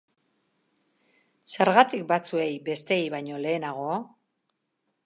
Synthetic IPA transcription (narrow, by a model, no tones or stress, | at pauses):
se̞ɾɣat̪ik̚bat͡sue̞jbe̞st̪e̞ːjβajɲo̞le̞ːnaɣ̞o̞a